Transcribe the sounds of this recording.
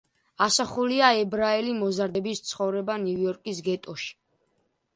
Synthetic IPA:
asaχuliaɛbɾaɛlimɔzaɾd̪ɛbist̪sʰχɔvɾɛbanujɔɾkʼis̬ɡɛt̪ʼɔʃi̥

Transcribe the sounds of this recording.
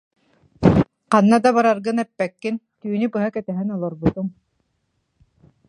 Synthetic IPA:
qanːad̪abaɾaɾɡɯnɛpːɛkːin | t̪yːnypɯɦakɛt̪ɛɦɛnɔlˠɔɾbut̪uŋ

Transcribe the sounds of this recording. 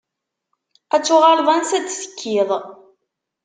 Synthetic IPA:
æt͡sːʊʁɑɾðˤɑnsæt͡sːsə̥kːiðˤ

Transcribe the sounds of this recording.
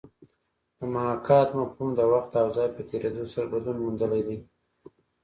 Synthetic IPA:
d̪̥əmalɑkɑt̪mafhumd̪əwaxt̪̚d̪əawzɑjpət̪ʰeɾed̪osaɾabad̪lunmund̪əlajd̪ij

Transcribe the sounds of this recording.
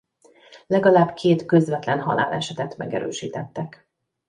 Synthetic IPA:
lɛɡɒlaːbkʰeːt̪køzʋɛt̪lɛnɦɒ̰la̰ːlɛʃɛt̪ɛt̪mɛɡɛ̰ɾø̰ːʃiːt̪ɛt̪ːɛk

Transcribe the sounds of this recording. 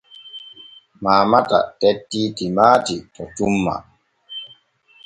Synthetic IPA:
maːmata̰tetːiːtimaːtitɔt͡ʃumːa̰

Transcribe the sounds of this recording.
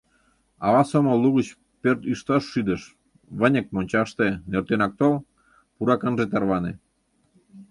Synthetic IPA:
ɑβɑsoməlːuɣət͡ɕ | pørt̪yʃt̪ɑʃːyd̪əʃ | βənʲə̆k̚monʲt͡ɕɑʃt̪enørt̪enɑk̚t̪ol | puɾɑkənʒet̪ɑrβɑne

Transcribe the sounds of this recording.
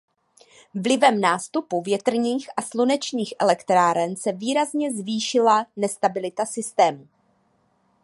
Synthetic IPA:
vlɪvɛmnaːst̪upuvjɛt̪r̩ɲiːxʔaslunɛt͡ʃɲiːxʔɛlɛkt̪ɾaːɾɛnsɛviːɾazɲɛzviːʃɪlanɛst̪abɪlɪt̪asɪst̪ɛːmu

